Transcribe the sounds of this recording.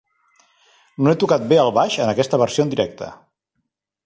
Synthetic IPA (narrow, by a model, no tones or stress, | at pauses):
noet̪ukat̪̚beəlˠβaʃənəkɛst̪əβ̞əɾsiond̪iɾɛk̚t̪ə̰